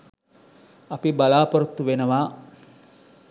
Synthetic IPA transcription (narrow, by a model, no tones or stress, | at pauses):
ɐpibalaːpoɾut̪ːuʋenəʋaː